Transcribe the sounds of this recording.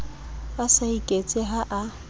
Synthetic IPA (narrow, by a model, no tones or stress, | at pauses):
basaikʼet͡sʼɪɦaʔa